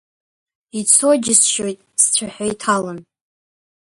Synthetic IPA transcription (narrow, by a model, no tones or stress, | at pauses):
it͡sʰod͡ʒɪsʃojtʼst͡ɕʷʰaħʷajtʰalan